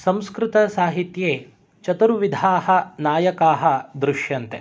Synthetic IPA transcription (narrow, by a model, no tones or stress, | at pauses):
sɐ̃mskɾɪt̪ɐsaːɦit̪jeː | t͡ʃɐt̪ɐɾuʋid̪ʱaːhɐnaːjɐkaːɦɐd̪ɾuʃjɐnt̪ḛ